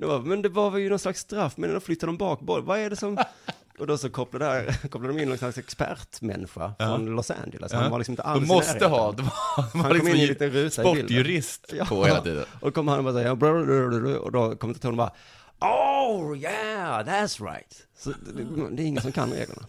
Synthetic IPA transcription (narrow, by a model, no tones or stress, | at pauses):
d̪ɔmbɑːmɛnd̪ɛvaɾvɛjənɔnslaksːt̪ɾafːmɛnd̪ɔflʏt̪ːad̪əd̪ɔmbɑːkbɔvaɛɖɛsɔm | ʔɔd̪ɔsɔkʰɔplad̪əkʰɔplad̪d̪ɔmɪnːɔnslaksɛkspæ̰ɾt̪mɛ̰nːɧa̰fɾɔnlɔsæ̰nd͡ʒələ̰shanvalɪsmɪt̪əʔalːmɔsɾəɦɑːd̪ɛhnlkɔmɪnːɪnliːt̪ənɾʉ̟ːtːaɔɪlːjʉɾɪst̪jɑːɔɛḭːd̪ə̰ɔsɔkʰɔmːhanːɔbɑːɾsɛbɾadɔ̰d̪ɔkʰɔmɛnʰt̪ɪhɔnɔbɑɾa | ʔojæðæt̪sɹa̰ɪt̪ | sɔd̪ɛɾɪŋːəsɔmkʰa̰nɾḛːɡlə̰ɳa̰